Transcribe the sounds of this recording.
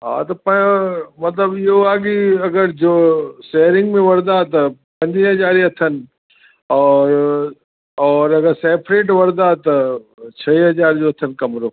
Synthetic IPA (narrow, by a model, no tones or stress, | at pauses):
ɦa̰ːt̪opɐmɐt̪ləbjeoaːɡiɐɡəɾd͡ʒoːsɛːɾɪ̃ŋɡmẽʋɐɾd̪at̪ɐpɐ̃ɲd͡ʒiɦɐd͡ʒaːɾiɐt̪ʰən | ɔːɾ | ɔːɾɐɡəɾsɛːpʰɾeːʈʋɐɾd̪at̪ɐt͡ʃʰɐiɦɐd͡ʒaːɾd͡ʒoɐt̪ʰənkɐmɾoː